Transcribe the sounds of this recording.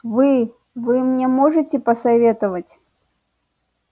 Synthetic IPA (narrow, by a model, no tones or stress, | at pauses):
vɨ | vɨmnʲɛmɔʐɨtʲɪpɐsɐvʲet̪ɨvətʲ